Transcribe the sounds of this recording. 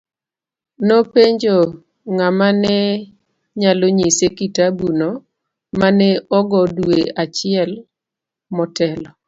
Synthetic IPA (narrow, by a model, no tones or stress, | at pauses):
nopeɲd͡ʒo | ŋamanɛ | ɲaloɲisekitabuno | manɛɔɡɔdweat͡ʃɪɛl | mɔtɛlɔ